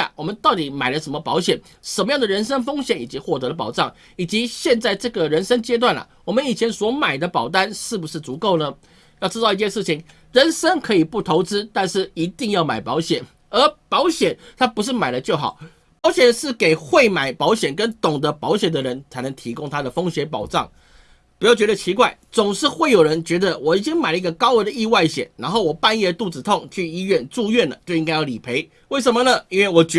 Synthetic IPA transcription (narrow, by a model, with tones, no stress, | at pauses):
a̰˥˩wɔ˨˩mə˦nt̪ɑ˥˩ʊt̪i˨˩ma˨˩ɪlə˦ʂə˧˥nmə˧pɑ˧˥ʊɕjɛ˨˩n | ʂə˧˥nmə˧jɑ˥˩ŋd̪ə˩ɻə˧˥nʂə˥ŋfɤ˥ŋɕjɛ˨˩ni˨˩t͡ɕi˧˥xwɔ˥˩t̪ɤ˧˥d̪ə˧p̬ɑ˨˩ʊʈ͡ʂɑ˥˩ŋ | i˨˩t͡ɕi˧˥ɕjɛ˥˧nt͡sa˥˧ɪʈ͡ʂɤ˥˩ɡə˩ɻə˧˥nʂə˥ŋt͡ɕjɛ˥t̪̬wa˥˩nlɐ̰˩wɔ˨˩mə˦ni˨˩t͡ɕʰjɛ˧˥nswɔ˧˥ma˨˩ɪd̪ə˦pɑ˨˩ʊt̪a˥nʂɻ̩˥˩bu˩ʂɻ̩˥˩t͡su˧˥ko˥˩ʊnə˩ | jʊʈ͡ʂɻ̩˥t̪ɑ˥˧ʊi˥˧t͡ɕjɛ˥˧nʂ̬ɻ̩˥˩t͡ɕʰi˨˩ŋ | ɻə˧˥nʂə˥ŋkʰɤ˧˥i˨˩pu˥˩t̪ʰo˧˥ʊt͡sɻ̩˥t̪a˥˧nʂɻ̩˥˩i˧˥t̪i˥˧ŋjɑ˥˩ʊma˨˩ɪpɑ˧˥ʊɕjɛ˨˩n | ə˞˧˥pɑ˧˥ʊɕjɛ˨˩˦nt̪ʰa˥pu˧˥ʂ̬ɻ̩˥˩ma˨˩ɪlə˦t͡ɕjo˥˩ʊxɑ̰˨˩˦ʊ | pɑ˧˥ʊɕjɛ˨˩nʂɻ̩˥˩ke˨˩ɪxwe˥˩ɪma˨˩ɪpɑ˧˥ʊɕjɛ˨˩nkə˦˥nt̪ʊ˨˩ŋd̪ə˦pɑ˧˥ʊɕjɛ˨˩nd̪ə˦ɻə˧˦nt͡sʰa˧˥ɪnə˧˥ŋt̪ʰi˧˥kʊ˥ŋt̪ʰa˥d̪ə˨fo˥ŋɕjɛ˧˥np̬ɑ˨˩ʊʈ͡ʂɑ˥˨˩ŋ | pu˧˥jɑ˥˩ʊt͡ɕɥɛ˧˥d̪ə˧t͡ɕʰi˧˥kwa˥˩ɪt͡sʊ˨˩ŋʂɻ̩˥˧xwe˥˩ɪjo˨˩ʊɻə˧˦nt͡ɕɥɛ˧˥d̪ə˧wɔ˨˩i˨˩t͡ɕi˦˥ŋma˨˩ɪlə˦i˥ɡə˧kɑ˥ʊwə˧˥nd̪ə˧i˥˧wa˥˩ɪɕjɛ̰˨˩nna˧˥nxo˥˩ʊwɔ˨˩pa˥˧njɛ˥˧ə˧t̪u˥˩t͡sɹ̩˨˩t̪ʰʊ˥˧ŋt͡ɕʰy˥˩i˥ɥɛ˥˧nʈ͡ʂu˥˧ɥɛ˥˩nlə˩t͡ɕjo˥˧ʊi˥ŋka˥ɪjɑ˥˩li˨˩pʰe˧˥ɪ | we˥˩ʂə˧˥nmə˧nə˨i˥nwe˥˩ɪwɔ˨˩t͡ɕ